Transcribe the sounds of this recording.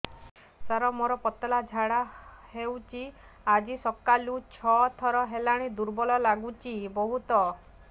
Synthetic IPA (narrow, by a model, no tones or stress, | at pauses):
saɾɔmoɾɔpɔt̪ɔlad͡ʒʱaɽahewt͡ʃʰi | ad͡ʒisɔkːalut͡ʃʰɔt̪ʰɔɾɔɦelaɽ̃id̪uɾbɔlɔlaɡut͡ʃibɔɦut̪ɔ